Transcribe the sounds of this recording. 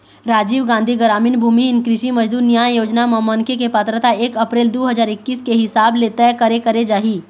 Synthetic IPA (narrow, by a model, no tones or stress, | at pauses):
ɾaːd͡ʒiːʋɡãːnd̪ʱiɡəɾaːmɪnbʱuːmiɦɪnkɾɪʃimɐd͡ʒd̪uːɾnijaːjoːd͡ʒnamɐmənkʰekepət̪ɾət̪aeːkɐpɾeːld̪oːɦɐzaːɾɪkːiːskeɦɪsaːblet̪ɛkɐɾekɐɾed͡ʒaːɦiː